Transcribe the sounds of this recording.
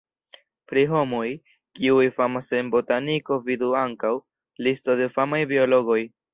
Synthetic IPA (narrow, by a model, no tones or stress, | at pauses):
pɾiɦo̞mo̞j | kiujfamasembo̞taniko̞viduaŋkaw | listo̞de̞famajbio̞lo̞ɡo̞j